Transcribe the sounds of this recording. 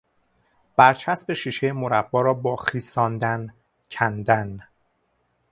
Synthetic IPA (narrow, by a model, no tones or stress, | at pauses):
b̥æɾt͡ʃʰæsbe̞ʃiːʃejemoɾæbːɒːɾɒːbɒːxiːsɒːnd̪æn | cʰænd̪æn